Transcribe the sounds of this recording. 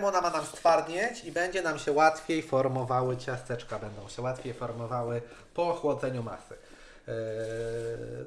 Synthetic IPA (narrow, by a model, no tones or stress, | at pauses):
mɔnamanamst̪faɾd̪ɲɛt͡ɕibɛɲd͡ʑɛnamɕɛwat̪fʲjejfɔɾmɔvawɘt͡ɕast̪ɛt͡ʂkabɛnd̪ɔ̃w̃ɕɛwat̪fʲjejfɔɾmɔvawɘpɔxwɔd̪zɛɲuma̰sɘ